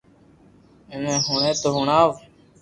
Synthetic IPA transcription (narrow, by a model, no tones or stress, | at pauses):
enẽːɦʊɳẽːt̪oːɦʊɳaːʋ